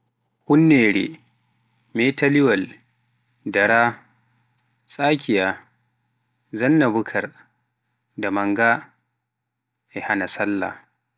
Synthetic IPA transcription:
kʊnːeːɽḛː | meːtɐlɪwɐl | dɐɽaː | sʼaːkʲɪjaː | zɐnːɐbʊkʰɐr | damɐŋɡa | ʔehanasɐlːa̰

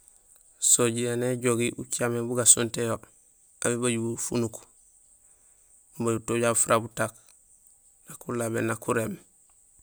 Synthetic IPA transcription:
soɟijeneɟoɡiʔut͡ʃamebuɡasuntejo | abibaɟubufṵnuk | baɟuutoɟafuɾabutak̚ | nakulabḛnakʰuɾem

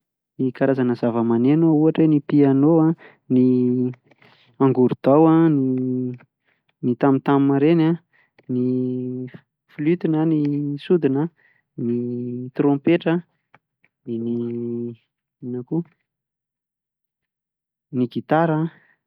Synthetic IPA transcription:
nikaɾazanəzavəmanenouaʈ͡ʂwenipianoa | ni | aŋɡuɾud̪̥awani | nit̪amit̪ammaɾena | ni | flyt̪inənisud̪inə | nit̪rõmpeʈ͡ʂə | ni | inaku | niɡit̪aɾə

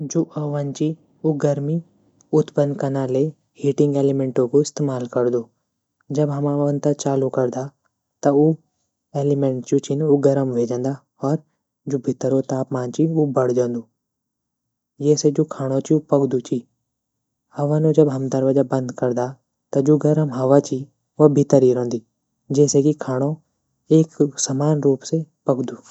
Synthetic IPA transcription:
d͡ʒoːʔɐʋant͡ʃi | uɡɐɾmi | ʊt̪ʰpə̃nd̪kɐnale | hiːʈɪ̃ŋɡeːlimẽːɳʈõkoɪst̪eːmaːlkɐɾd̪oː | d͡ʒɐbɦɐmãʋə̃nt̪at͡ʃaːlukɐɾd̪a | t̪ɐu | eːlɪmẽɳʈt͡ʃot͡ʃʰɪnoɡɐɾəmʋeːd͡ʒə̃ːnd̪a | ɔːɾ | d͡ʒoːbʱɪt̪ːəɾot̪aːpmãːnt͡ʃiubɐɽ̤d͡ʒə̃ːnd̪oː | jeːsed͡ʒoːkʰaːɽ̃ot͡ʃiupɐkd̪ut͡ʃʰiː | hɐʋanũd͡ʒɐbɦɐmd̪ɐɾʋəd͡ʒabɐ̃nd̪kɐɾd̪a | t̪ɐd͡ʒoːɡɐɾəmɦɐʋat͡ʃi | ʋɐbʱɪt̪əɾiɾə̃ːnd̪iː | d͡ʒeːsekikʰaːɽ̃o | eːksəmaːnɾuːpsepɐkd̪uː

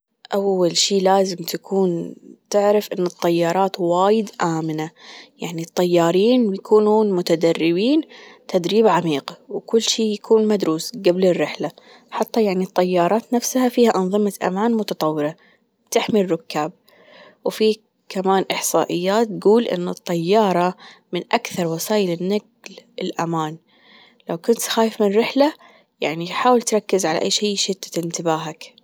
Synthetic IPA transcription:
ʔawːalʃiːlaːzɪmt̪akʰuːnt̪ɪʕɾɪfʔɪnːʊt̪ˤːɑjːɑːɾˤɑːt̪waːjɪd̪ʔaːmɪnajaʕnit̪ˤːɑjːɑːɾiːnjakʰuːnuːnmʊt̪ad̪arːɪbiːnt̪ʰad̪ɾiːbʕamiːqwkʊlːʃiːjakuːnmad̪ɾuːsɡablɪrːɪħla | ħɑt̪ˤːɑjaʕnit̪ˤːɑjːɑːɾˤɑːt̪nafshafiːhaʔɑnðˤɨmaʔa̰maːnmʊt̪ɑt̪ˤɑwːɾɑ | t̪ɪħmirːʊkːaːb̚ | wfiː | kamaːnʔɪħsˤɑːʔɪjːaːt̪ːɡuːlʔɪ̰nːʊ̰t̪ˤːɑjːɑːɾˤɑmɪnʔakθɑɾˤwɑsaːjɪlɪnːaɡ | lɪlʔa̰maːn | lawkʊnt̪xaːjɪfmɪnrːɪħla | jaʕniħaːwɪlt̪ɾˤɑkːɪzʕala̰ʔa̰jːʃiːʃɪt̪ːḁt̪ɪnt̪ɪbaːɦak

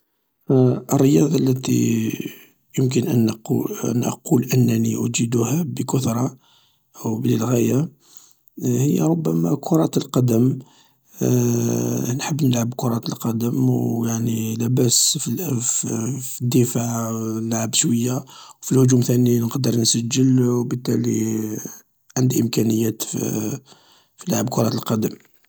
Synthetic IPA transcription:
ʔərːəjɑd̪ˤɑlːæt̪ḭ | jəmk̬ənʔən̰ | nʔə̰qulʔənːæniʔʊ̰d͡ʒid̪uhæbəkʊt̪ɾˤɑ | ʔwbləlɣæja | həjːæ̰ɾˤʊbːæmækʰʊɾˤɑt̪əlqɑd̪əm | nħəbːnəlʕəbkʊɾˤɑt̪əlqɑd̪əmjaʕnilæbæsfl | fid̪ːifaʕnlʕəbʃwəjːawfilhʊʒumt̪æninqd̪əɾˤnsæʒːəlwbət̪ːæli | ʕənd̪ʔəmkænəjːæt̪ | filʕəb̚kʊɾˤɑt̪əlqɑd̪əm

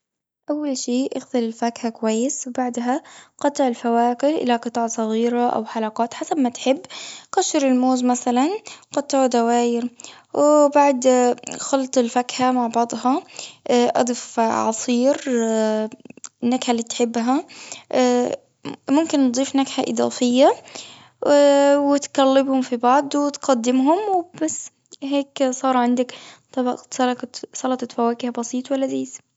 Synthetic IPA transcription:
ʔawːalʃiːʔaxt̪ɪlɪlfakhakwajːɪswbaʕd̪ɦaqɑt̪ˤːɪʕɪlfawaːkɪʔɪ̰laqɨt̪ˤɑːʕsˤɑɣiːɾaʔa̰wħalɑqɑːt̪ħasabmat̪ħɪbːqɑʃɪɾɪlmoːzmaθalanqɑt̪ˤːɪʕud̪awaːjɪɾ | wɪbaʕd̪xɑlt̪ˤɪlfakhamaʕbɑʕd̪ˤhɑ | ʔɑ̰d̪ˤɨfʕɑ̰sˤiːɾ | nːakħalːiːt̪ħɪbːɦa | mʊmkɪnːd̪ˤiːfnakħaʔɪɨd̪ˤɑ̰ːfɪjːa | wɪt̪kalːɪbhʊmfibɑʕd̪ˤwɪt̪qɑd̪ːɪmɦʊmwbasː | ɦeːksˤɑːɾˤʕɪnd̪akt̪ˤɑbsˤɑlsˤɑlɑt̪ˤɑt̪fawaːkɪhabɑsiːt̪ˤwalːaziːs

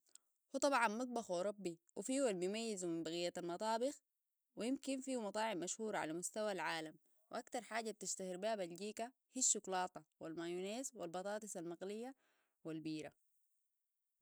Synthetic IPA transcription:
hut̪ˤɑbʕɑnmɑt̪̚ˤbɑxwɑɾˤɑbːiwʔifiːualbijmajːizumimbaɣijːaalmɑt̪ˤɑːbɪx | wijimkinfiːumɑt̪ˤɑːʕibmaʃhuːɾˤɑʕa̰lamʊst̪awalʕaːlam | wiʔakt̪ɑɾˤħaːɟab̚t̪iʃt̪ahiɾbaːbalɟiːka | hiʃːʊklɑːt̪ˤɑwalmajuneːzwilbɑt̪ˤɑːt̪ˤɨsalmɑqlijːa | walbiːɾa̰

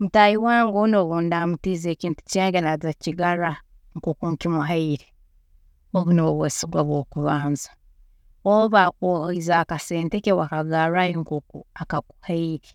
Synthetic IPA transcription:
mutajiwaːŋɡonoβondamutiːzeːciːntu̥t͡ʃaːɡenazaciɡaɾa | ŋkoːkuŋkimuɦaiɾe | oβunoβwesiɡwaβwokuβaːnzḁ | oβoβakoizaːkaseːntekewakaɡaɾajiŋkoːkuakakuhaiɾe

